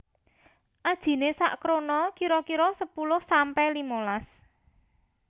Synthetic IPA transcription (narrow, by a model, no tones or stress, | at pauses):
ʔad̥ʒ̥i̤nesa̰ʔkɾonɔkiɾɔkiɾɔsəpulʊhsampɛlimolas